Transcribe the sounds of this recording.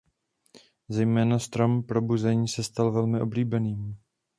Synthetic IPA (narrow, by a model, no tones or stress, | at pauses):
zɛjmɛːnast̪ɾompɾo̞buzɛɲiːsɛst̪alvɛlmɪʔo̞bliːbɛniːm